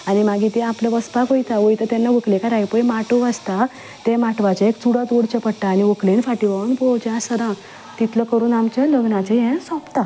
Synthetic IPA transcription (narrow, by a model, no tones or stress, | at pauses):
animaɡʱit̪eapləʋəspakojt̪aʋojt̪at̪ɛnːaʋəklekaɾajpəjmaʈuast̪a | t̪emaʈʋat͡ɕaekt͡suɽat̪oɽt͡ɕəpəɽʈaːniʋəklenfaʈiʋanpɔwd͡ʑasəd̪ã | t̪it̪ləkəɾuːnamt͡ɕaləɡnãt͡sejɛ̃sɔpt̪a